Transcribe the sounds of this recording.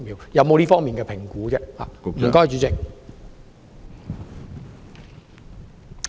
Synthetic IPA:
miː˨wjɐ˨˧wmo˨˧wliː˥fɔː˥ŋmiː˨nkɛː˧pʰɪ˨˩ŋkuː˨˥t͡sɛː˥ha̰ː˨m̩˨˩kɔː˥jt͡ʃyː˨˧t͡sɪ˨k̚

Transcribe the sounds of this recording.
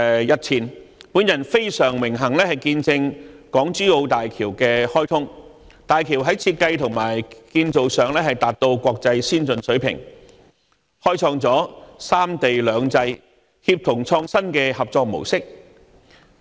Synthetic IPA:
jɐ˨t̚t͡sʰiː˨˩npuː˨˥njɐ˨˩nfe˥jsœː˨˩ŋmɪ˨˩ŋɦɐ˨˩ŋlɛː˥hɐ˨jkiː˧nt͡sɪ˧ŋkɔː˨˥ŋt͡syː˥o˧wt̪aː˨jkʰiː˨˩wkɛː˧hɔː˥jt̪ʰʊ˥ŋ | t̪aː˨jkʰi˨˩wɦɐ˨˥jt͡sʰiː˧t̚kɐ˧jt̪ʰʊ˨˩ŋmaː˨˩jkiː˧nt͡so˨wsœː˨ŋlɛː˥hɐ˨jt̪aː˨t̚t̪o˧wkʷɔː˧k̚t͡sɐ˧jsiː˥nt͡sɵ˨nsɵ˨˥ɥpʰɪ̰˨˩ŋ | hɔː˥jt͡sʰɔː˧ŋt͡sɔː˨˥saː˥mt̪e˨jlœː˨˧ŋt͡sɐ˧j | hi˧p̚t̪ʰʊ˨˩ŋt͡sʰɔː˧ŋsɐ˥nkɛː˧hɐ˨p̚t͡sɔː˧k̚mo̰˨˩wsɪ˥k̚

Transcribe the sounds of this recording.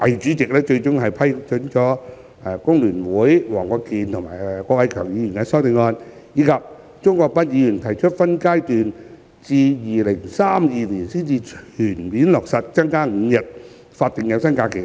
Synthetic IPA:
ɐ˨jt͡ʃyː˨˥t͡sɪ˨k̚lɛː˥t͡ʃɵ˧ɥt͡ʃʊ˥ŋɦɐ˨jpʰɐ˥jt͡ʃʰɵ˨˥nt͡ʃɔː˨˥ | ɛ˧kʊ˥ŋlyː˨˩nwuː˨˥jwɔː˨˩ŋkɔː˨˧kiː˨˧nt̪ʰʊ˨˩ŋma̰ː˨˩jkɔː˧˥wɐ˨˧jkʰœː˨˩ŋjiː˨˧jy˨˩nkɛː˧sɔː˥wt̪e˨˧ŋɔː˧n | jiː˨˧˥kʰɐ˨p̚ | t͡ʃʊ˥ŋkɔː˧k̚pɐ˥t̚jiː˨˧jyː˨˩nt̪ʰɐ˨˩jt͡ʃʰɵ˥t̚fɐ˥nkaː˥jt̪yː˨n | t͡siː˧jiː˨lɪ˨˩ŋsaː˥mjiː˨˧liː˨˩nsiː˥nt͡siː˧t͡ʃʰyː˨˩nmiː˨˥nlɔː˨˩k̚sɐ˨t̚t͡sɐ˥ŋkaː˥ŋ̩˨˧jɐ˨t̚ | faː˧t̪̚ɪ˨ŋjɐ˨˧wsɐ˥nkaː˧kʰe˨˩

